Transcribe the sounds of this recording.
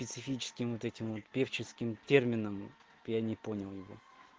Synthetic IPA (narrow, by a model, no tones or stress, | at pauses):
pʲɪt̪sɨfʲit͡ɕɪ̥skʲɪmvot̪ɛtʲɪmvo̞t̪pʲeft͡ɕɪskʲɪmtʲermʲɪnəm | janʲɪponʲɪlˠjɪvo̰